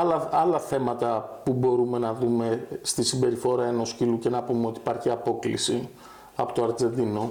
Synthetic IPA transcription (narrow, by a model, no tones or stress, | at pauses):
ɐlɐɐlɐθe̞mɐt̪ɐpubo̞ɾume̞nɐðume̞st̪isimbe̞ɾifo̞ɾɐeno̞sciluce̞nɐpumeo̞t̪i̥pɐɾçiɐpo̞klḭsi | ɐpo̞t̪oɐɾd͡ze̞nd̪ino̞